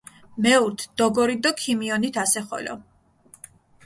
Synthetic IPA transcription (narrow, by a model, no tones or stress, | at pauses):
mɛuɾt̪ʰd̪̥ɔɡɔɾid̪ɔkʰimiɔnit̪ʰasɛχɔ̰lɔ̰